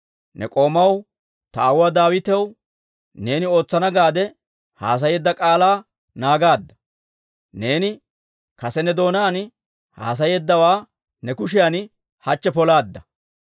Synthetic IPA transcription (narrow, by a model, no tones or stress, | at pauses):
nɛ̰kʼo̞ːmɐw | t̪ɐːwʊwad̪aːwɪt̪ɛw | ne̞ːnɪo̞ːt͡sːɐnɐɡaːd̪ɛ | ha̰ːs̬ɐjeːd̪ːɐkʼaːlaː | naːɡaːd̪ːɐ̥ | ne̞ːnɪ | kɐsɛnɛd̪o̞ːnaːn | ha̰ːs̬ɐje̞ːd̪ːɐwaː | nɛkʊʃɪjan | hɐt͡ʃːɛpɔlaːd̪ːɐ